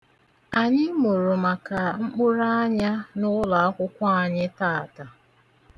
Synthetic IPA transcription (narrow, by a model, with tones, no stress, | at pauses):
a˨ɲɪ˦mo˨ɾo˨ma˨ka˨ŋ͡m̩˦k͡pʊ˦ɾa˦a˦ɲa˦nʊ˦la˨a˦kʷʊ˦kʷa˦a˨ɲɪ˦ta˦˨ta˨